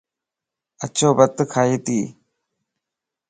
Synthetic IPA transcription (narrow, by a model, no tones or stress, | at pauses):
ət͡ʃʰoːbət̪ːkʰaːɦiːt̪iː